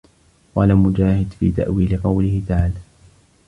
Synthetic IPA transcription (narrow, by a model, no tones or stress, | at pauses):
walaːmʊd͡ʒaːhɪd̪fḭːt̪a̰ʔwiːlɪqɑwlɪhɪt̪aʕaːlaː